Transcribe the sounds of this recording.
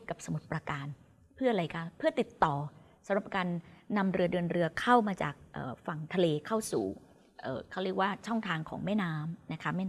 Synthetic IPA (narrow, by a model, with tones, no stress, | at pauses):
ka˨˩p̚sa˧mu˨˩t̪̚pɾa˧kaː˧n | pʰɯ˥˩ɐʔa˧a˧jkʰa˦˥pʰɯ˥˩ɐt̪i˨˩t̪ːɔː˨˩ | sa˨˦mɾa˨˩p̚kaː˧nːa˧mɾɯ˧ɐdɯː˧ənɾɯ˧ɐkʰa˥˩wmaː˧t͡ɕa̰ː˨˩k̚ʔɤ̰ː˨˩fa˨˩ŋt̪ʰa˧leː˧kʰa˥˩wsṵː˨˩ | ʔɤː˨˩kʰa˥˩wɾi˥˩ək̚waː˥˩t͡ɕʰɔ˥˩ŋt̪ʰaː˧ŋkʰɔ̰ː˩˦ŋmɛː˥˩naː˦˥mna˦˥kʰa˦˥mɛː˥˩